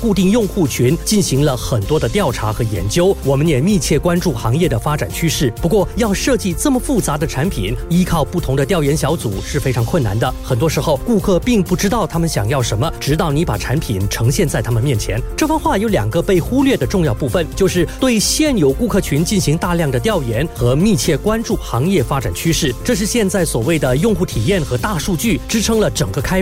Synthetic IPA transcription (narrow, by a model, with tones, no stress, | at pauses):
ku˥˧t̪i˥˧ŋjʊ˥˧ŋxu˥˩t͡ɕʰy˧˥nt͡ɕi˥˩nɕi˧˥ŋlə˧xə˨˩nt̪wɔ˥d̪ə˧t̪jɑ˥˩ʊʈ͡ʂʰa̰˧˥xɤ˧˥jɛ̰˧˥nt͡ɕjo˥ʊwɔ˨˩mə˦njɛ˨˩mi˥˧t͡ɕʰjɛ˥˩kwa˥nʈ͡ʂu˥˩xɑ˧˥ŋjɛ˥˩d̪ə˩fa˥ʈ͡ʂa˨˩nt͡ɕʰy˥ʂɻ̩˥˩pu˧˥kwɔ˥˧jɑ˥˧ʊʂɤ˥˧t͡ɕi˥˧t͡sə˥˩mə˩fu˥˩t͡sa˧˥d̪ə˧ʈ͡ʂʰa˧˥npʰḭ˨˩˦ni˥kʰɑ˥˧ʊpu˥˩t̪ʰʊ˧˥ŋd̪ə˧t̪jɑ˥˩ʊjɛ˧˥nɕjɑ˧˥ʊt͡su˨˩˦ʂɻ̩˥˩fe˥ɪʈ͡ʂʰɑ˧˥ŋkʰwə˥˩na̰˧˥nd̪ə˧xə˨˩nt̪wɔ˥ʂɻ̩˧˥xo˥˧ʊku˥˧kʰɤ˥˧pi˥˧ŋpu˥˩ʈ͡ʂɻ̩˥t̪ɑ˥˩ʊt̪ʰa˥mə˨nɕjɑ˨˩ŋjɑ˥˩ʊʂə˧˥nmə˧ʈ͡ʂɻ̩˧˥t̪ɑ˥˩ʊni˧˥pa̰˨˩ʈ͡ʂʰa˧˥npʰi˨˩˦nʈ͡ʂʰɤ˧˥ŋɕjɛ˥˧nt͡sa˥˩ɪt̪ʰa˥mə˨nmjɛ˥˩nt͡ɕʰjɛ˧˥nʈ͡ʂɤ˥˩fə˥nxwa˥˩jo˧˥ʊljɑ̰˨˩ŋɡə˧˦pe˥˩ɪxu˥lɥɛ˥˩d̪ə˩ʈ͡ʂʊ˥˧ŋjɑ˥˧ʊpu˥˩fə˩nt͡ɕjo˥˧ʊʂɻ̩˥˧t̪we˥˩ɪɕjɛ˥˩njo˨˧˩ʊku˥˧kʰɤ˥˩t͡ɕʰy˧˥nt͡ɕi˥˩nɕi˧˥ŋt̪a˥˧ljɑ˥˩ŋd̪ə˩t̪jɑ˥˩ʊjɛ˧˥nxɤ˧˥mi˥˧t͡ɕʰjɛ˥˩kwa˥nʈ͡ʂu˥˩xɑ˧˥ŋjɛ˥˩fa˥ʈ͡ʂa̰˨˩nt͡ɕʰy˥ʂɻ̩˥˩ʈ͡ʂɤ˥˧ʂ̬ɻ̩˥˧ɕjɛ˥˧nt͡sa˥˩ɪswɔ˨˩we˥˩ɪd̪ə˩jʊ˥˧ŋxu˥˩t̪ʰi˨˩jɛ˥˩nxɤ˧˥t̪a˥˧ʂu˥˧t͡ɕy˥˩ʈ͡ʂɻ̩˥ʈ͡ʂʰɤ˥ŋlə˨ʈ͡ʂɤ˨˩ŋɡə˦kʰa˥ɪ